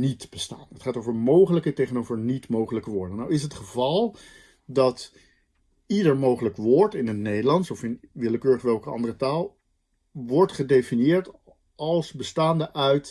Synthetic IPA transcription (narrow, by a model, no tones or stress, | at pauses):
nitb̥əsta̰ːnɦətχaːtowvəɹmowχələkətejχənowvəɹnitmowχələkəʋʊːɹdənːawɪs̬ɦətχəvɑlˠ | dɑt | idəɹmowχələkʋʊːɹtɪnətnejdəlɑntsɔfɪnʋɪləkøːɹəχʋɛlˠkəɑ̰ndərətaːlˠ | ʋɔɹtχədejfinijɪːɹt | ɑlˠsbəstaːndəʔœɥt